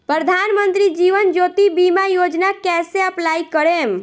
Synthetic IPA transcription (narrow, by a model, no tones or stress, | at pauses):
pɾəd̪ʱanmənt̪ɾid͡ʒiʋənd͡ʒot̪ibimajod͡ʒnakɛseəplaikəɾem